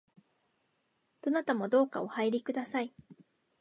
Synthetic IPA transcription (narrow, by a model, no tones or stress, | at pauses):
d̪̥o̞nat̪amo̞d̪o̞ːka̰o̞haiɾʲikɯ̟d̪asai